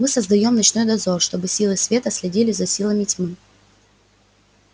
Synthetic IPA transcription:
mɨsəzd̪ɐjo̞mnɐt͡ɕno̞jd̪ɐzo̞rʂt̪o̞bɨsʲilˠɨsʲvʲe̞t̪əsʲlʲɪdʲilʲɪzɐsʲilˠəmʲɪtʲmɨ

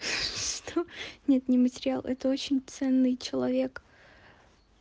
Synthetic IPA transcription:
ʂt̪ʰonʲe̞t̪nʲɪmətʲɪɾʲɪalˠʔɛt̪əo̞t͡ɕɪnʲt̪sɛnːɨjt͡ɕɪlˠɐvʲe̞k

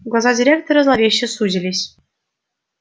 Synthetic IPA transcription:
ɡlˠɑzɑdʲiɾʲekt̪oɾɤ̆zlˠɑvʲeɕːɘ̆sud͡ʑʲĭlʲeɕʲ

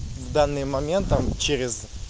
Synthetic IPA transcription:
vd̪anːɨjmɐmʲe̞nt̪̚t̪ːamt͡ɕeɾʲɪz

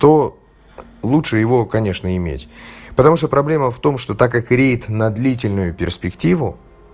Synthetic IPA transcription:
t̪o̞ | lˠutʂɨjɪvo̞kɐnʲe̞ʂnəɪmʲḛtʲpət̪ɐmuʂt̪opɾɐblʲe̞məft̪o̞mʂt̪o̞t̪akakɾʲejɪt̪nɐd̪lʲit̬ʲɪlʲnʊjʊpʲɪrspʲɪktʲivʊ

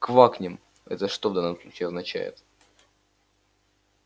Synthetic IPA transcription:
kvaknʲɪm | ɛ̰t̪əʂt̪ovd̪anːəmsˠut͡ɕiːɐznɐt͡ɕæ̰jɪ̰t̪

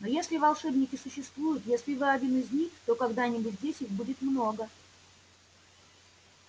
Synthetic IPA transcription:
nojesʲlʲɪvɐlˠʂɛbnʲɪkʲɪsʊɕːɪst̪vujʊt̪jesʲlʲɪvɨɐdʲinɨzʲnʲixt̪o̞kɐɡd̪anʲɪbʊtʲdʲesʲixbudʲɪt̪mno̞ɡə

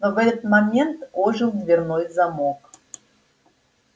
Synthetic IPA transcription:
novɛt̪ət̪mamʲent̪oʒulvʲernojzamok

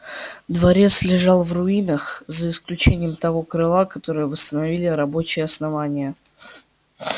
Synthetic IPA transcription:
d̪vɐɾʲet̪slʲɪʐɑlˠvrʊinəxzəɪsklʲʉt͡ɕenʲɪjəmt̪ɐvo̞kɾɨlˠakɐt̪o̞ɾɨjəvəst̪ənɐvʲilʲɪɾɐbo̞t͡ɕɪjəɐsnɐvanʲɪjə

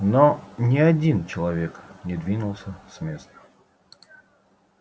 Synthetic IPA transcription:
nonʲɪɐdʲint͡ɕɪlˠɐvʲe̞knʲɪd̪vʲinʊlˠsʲəsmʲe̞st̪ə̥

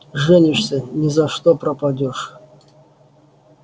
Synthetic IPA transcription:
ʐɛnʲɪɕsʲənʲɪzɐʂt̪opɾɐpɐdʲoʂ

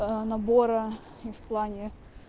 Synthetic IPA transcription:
nɐbo̞ɾɐ | ifplˠanʲɪ

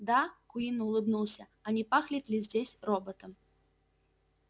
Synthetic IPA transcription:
d̪akuinːɨulˠɨbnuwˠsʲɐ | ɐnʲɛpaxlʲit̪ʲlʲizʲd͡zʲesʲɾɔbɔt̪ɐm

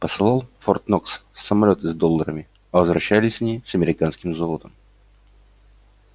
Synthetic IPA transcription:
pəsɨlˠɑlˠfort̪nokssːəmɐlʲo̞t̪ɨzd̪o̞lˠːəɾəmʲɪ | ɐvəzvɾɐɕːælʲɪsʲnʲisəmʲɪɾʲɪkanskʲɪmzolˠət̪əm

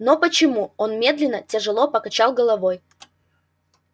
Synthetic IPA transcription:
nopət͡ɕɪmuonmʲe̞d̪lʲɪnːətʲɪʐɨlˠopəkɐt͡ɕalˠɡəlˠɐvoj

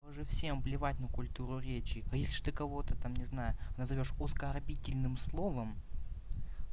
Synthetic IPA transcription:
ʐɨfsʲe̞mvlʲɪvatʲnəkʊlʲt̪uɾʊɾʲet͡ɕɪɐjesʲlʲɪʐ̥ɨ̥t̪ɨkɐvo̞t̪ət̪amnʲɪznajʊnəzɐvʲo̞ʂʊskɐrbʲitʲɪlʲnɨmslˠo̞vəm

